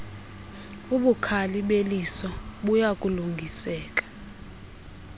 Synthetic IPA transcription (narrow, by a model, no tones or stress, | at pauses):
uɓukʰaliɓelisɔɓujakʼuluŋɡʱisɛːk̬ʼḁ